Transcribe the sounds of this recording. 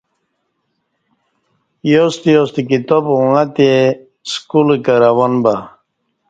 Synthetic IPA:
jost̪ijost̪ikit̪obuŋat̪e | skulkəɾawanba

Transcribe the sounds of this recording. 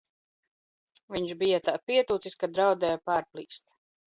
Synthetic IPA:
viɲʃbijat̪aːpiɛt̪uːt̪siskad̪ɾawd̪ɛjapaːɾplˠiːst̪

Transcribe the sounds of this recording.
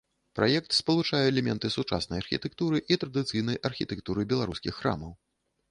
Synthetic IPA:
pɾʔajɛk̚t̪spɐlˠut͡ʂajɛɛlʲɛmʲɛ̰nt̪ɨsut͡ʂa̰snɐjɐrxʲḭt̪ɛkt̪uɾɨʔit̪ɾɐd̪ɨt̪sɨjn̪ɐjʔɐrxʲit̪ɛkt̪uɾɨbʲɛlˠaɾuskʲixːɾa̰mɐw

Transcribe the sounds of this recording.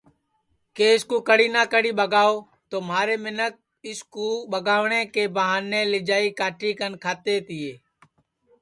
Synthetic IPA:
keːɪskũːkəɽiːnaːkəɽiːɓəɡaːoː | t̪oːmaːɾeːmɪnək̚ | ɪskuːɓəɡaːʋɳẽːkeːbəɦaːnːẽːlɪd͡ʒaːiːkaːʈʰiːkənkʰaːt̪eːt̪ɪːeː

